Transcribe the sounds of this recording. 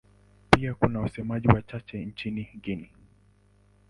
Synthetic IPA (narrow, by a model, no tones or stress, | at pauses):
piakunawasɛmaʄiwat͡ʃat͡ʃɛnt͡ʃiniɡini